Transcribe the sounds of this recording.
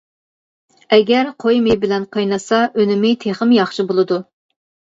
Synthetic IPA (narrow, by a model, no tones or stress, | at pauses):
ɛɡʲɛɾqʰojmɪbɪlɛnqʰɑjnɨsɑʔønɪmɪt̪ʰeχəmjɑχʃibolˠɨd̪u